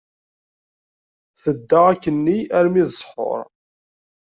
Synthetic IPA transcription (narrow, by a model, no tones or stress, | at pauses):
θəd̪ːaʁækːənːiæɾmiðəsˤħo̰ɾˤ